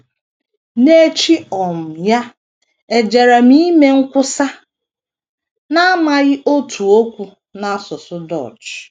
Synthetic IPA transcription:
ne˦e˦t͡ʃi˦ɔ˨m̩˨ja˦ | e˨d͡ʒe˨ɾa˨mi˦me˦ŋ̩˦kʷʊ˦sa˦ | na˦a˦ma˦ɣɪ˦ʔo˦tʰu˨o˦kʷu˨ | na˦sʊ˨sʊ˦dɔ̰˦˨t͡ʃ

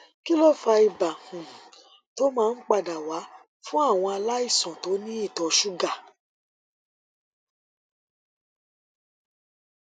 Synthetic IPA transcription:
ki˦lo˦fa˧i˨ba˨hũ˨ | to˦mãː˦˧n̩˦k͡pa˧˨da˨wa˨˦ | fũ˦a˦˨w̃ɔ̃˧a˧la˦i˦˨sɔ̃˨to˨˦nĩ˦i˦˨tɔ˧ʃu˦ɡa˦˨

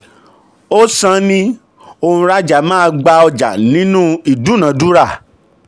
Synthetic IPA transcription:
o˦sã˦nĩ˦ | o˧hũ˧ɾa˦d͡ʒa˨mã˦˧ɡ͡ba˧ɔ˧d͡ʒa̰˨nĩ˦nũ˦i˨dũ˨˦nã˨˦du˦ɾa˦˨

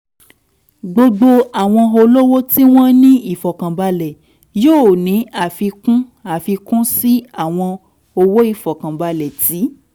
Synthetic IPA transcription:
ɡ͡bo˧ɡ͡bo˧a˨w̃ɔ̃˧o˧lo˦wo˦ti˦w̃ɔ̃˦nĩ˦i˦˨fɔ˨kã˨ba˧lɛ˨ | joː˦˨nĩ˨˦a˦˨fi˧kũ˦a˨fi˧kũ˦si˦a˦˨w̃ɔ̃˧ | o˧wo˦i˦˨fɔ˨kã˨ba˧lɛ˨ti˨˦

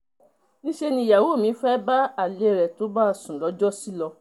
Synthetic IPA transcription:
nĩ˦ʃe˦˧nĩ˧˦ja˨wo˨˦˨mĩ˨˦fɛ˦ba˦a˦˨le˨˦˨ɾɛ˨to˨˦ba˦˨sũ˨lɔ˨˦d͡ʒɔ˦si˦lɔ˧

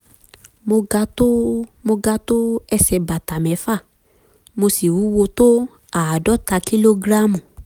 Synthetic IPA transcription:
mo˧ɡa˧˦to˦mo˧ɡa˧to˦ɛ˧sɛ˧ba˨ta˨mɛ˨˦fa˦˨ | mo˧si˨wu˨˦wo˧to˦ | a˨a˨dɔ˨˦ta˧ki˦lo˦ɡɾa˦mũ˨

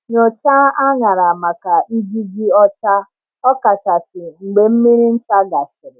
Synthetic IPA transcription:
ɲo˨t͡ʃa˦a˦ŋa˨ɾa˨ma˨ka˨ʔi˦d͡ʒi˦ɡi˦ɔ˦t͡ʃa˦ | ɔ˦ka˨ta˨tɪ˨ŋ͡m̩˨ɡ͡be˨m̩˦mi˦ɾi˦n̩˦ta˦ɡa˨sɪ˨ɾɪ˨

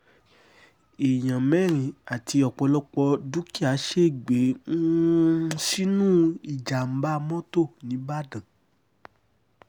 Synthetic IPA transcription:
e˨j̃ã˨mɛ˦˨ɾ̃ĩ˨a˨ti˧ɔ˧˨k͡pɔ˧lɔ˦k͡pɔ˧du˦ki˦˨a˨˦ʃe˦˨ɡ͡be˨˦ | si˦nũ˦i˨d͡ʒa˨m̩˨˦ba˦˧mɔ̃˦to˦˨nĩ˨˦ba˦˨dã˨

